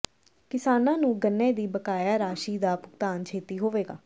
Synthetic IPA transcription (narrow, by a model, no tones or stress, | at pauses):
kɪsaːnãːnũːɡənːɛːd̪iːbəkaːjaːɾaːʃiːd̪aːpʊkt̪aːnt͡ʃʰeːt̪iːɦoːʋeːɡa̰ː